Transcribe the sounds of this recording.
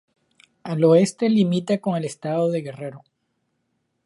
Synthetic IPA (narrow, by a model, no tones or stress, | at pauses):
alo̞e̞st̪e̞limit̪ako̞ŋe̞lest̪aðo̞ðe̞ɣe̞re̞ɾo